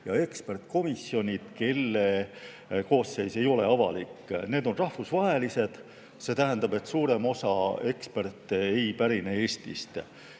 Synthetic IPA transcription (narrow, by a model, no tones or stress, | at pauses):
jɑe̞kspe̞rt̪ko̞misjo̞nʲid̪̥ke̞lːe | ko̞ːsːe̞jse̞jo̞leɑvɑ̰likːne̞ːd̪o̞nrɑhvusvɑɦe̞lise̞d̪̥ | se̞ːt̪æɦænd̪ɑbe̞t̪ːsuːɾe̞mo̞sɑe̞kspe̞rt̪ːeejpæɾinee̞ːst̪ist̪